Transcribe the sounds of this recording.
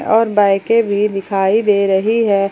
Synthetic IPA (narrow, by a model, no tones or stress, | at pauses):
ʔɔːɾbaːɪkebʱid̪ɪkʰaːid̪eːɾɐɦiɦɛː